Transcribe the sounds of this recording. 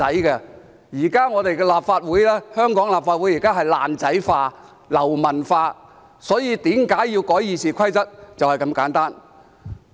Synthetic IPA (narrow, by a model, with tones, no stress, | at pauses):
ɐ˨˥jkɛ˧ | jiː˨˩kaː˥ŋɔː˨˧t̪e˨jkɛː˧laː˨p̚faː˧t̚wuː˨˥jlɛː˥hœː˥ŋkɔː˨˥ŋlaː˨pfaː˧t̚wu˨˥ji˨˩kaː˥ɦɐ˨jla̰ː˨nt͡sɐ˨˥jfaː˧ | lɐ˨˩wmɐ˨˩nfaː˧ | sɔː˨˥jiː˧t̪iː˨˥mkaː˨˥jːiː˧wkɔː˨˥jːiː˨˧siː˨kʷʰɐ˥jt͡sɐ˥t̚t͡sɐ˨whɐ˨jkɐ˧mkaː˨˥nt̪aː˥n